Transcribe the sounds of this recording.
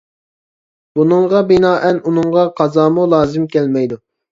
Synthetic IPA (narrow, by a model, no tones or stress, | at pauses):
bunɨŋʁɑbinɑːʔɛnunɨŋʁɑqʰɑzɑːmulˠɑːzɪmkʲɛlmɛjd̪u